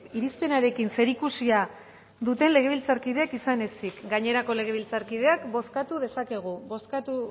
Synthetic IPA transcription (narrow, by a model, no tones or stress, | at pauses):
iɾispe̞naɾe̞kinse̞ɾikusia | ðut̪e̞nle̞ɣe̞β̞ilt͡saɾkiðe̞akisane̞sikɡaɲe̞ɾako̞le̞ɣ̞e̞β̞ilt͡saɾkið̞e̞akbo̞skat̪uðe̞sake̞ɣ̞ubo̞skat̪u